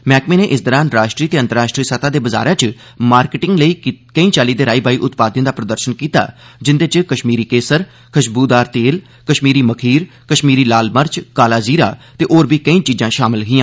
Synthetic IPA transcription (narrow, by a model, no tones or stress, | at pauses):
mɛːkmeːneːʔɪsd̪əɾãːnɾaːʃʈɾiːt̪eːənt̪əɾaːʃʈɾiːəsət̪ʰaːd̪eːbəza̰ːɾãːt͡ʃ | maːɾkɪʈɪ̃ŋɡləiːkəĩːt͡ʃaːliːd̪eːɾaːiːbaːiːʔʊt̪paːd̪ə̃d̪aːpɾəd̪əɾʃənkiːt̪a̰ːd͡ʒɪnd̪eːt͡ʃkəʃmiːɾiːkeːsəɾ | kʰəʃbuːd̪aːɾt̪eːl | kəʃmiːɾiːməkʰiːɾ | kəʃmiːɾiːlaːlməɾt͡ʃkaːlaːziːɾaːt̪eːʔoːɾbiːkəĩːt͡ʃiːd͡ʒãːʃaːmɪlɦiːãː